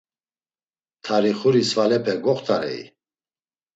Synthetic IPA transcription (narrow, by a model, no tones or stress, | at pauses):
t̪ʰaɾiχuɾisvalɛpʰɛɡɔχt̪ʰaɾɛ̰ḭ